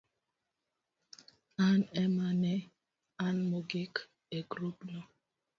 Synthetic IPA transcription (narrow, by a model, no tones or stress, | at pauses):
anɛmanɛ | anmoɡek | eɡɾupnɔ